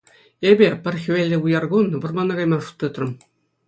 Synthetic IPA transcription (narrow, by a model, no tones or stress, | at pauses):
ebʲepʲɘ̆rʲxʲʋʲelʲːɘ̆ujɑrɡunʋɤ̆rmɑnːɑ̆ɡɑjmɑʂu̥t̪ːɯt̪rɤ̆m